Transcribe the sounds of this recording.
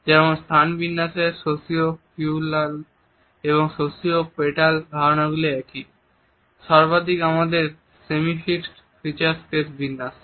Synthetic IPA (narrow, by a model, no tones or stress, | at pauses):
d͡ʑɛɾmonst̪ʰanbinːasesosiofulal | eβoŋʃosiopeʈalbʱanaɡuleɛki | ʃaɾbad̪ikamad̪eɾ | semifiksʈ | fɾit͡ɕaɾskesbinːas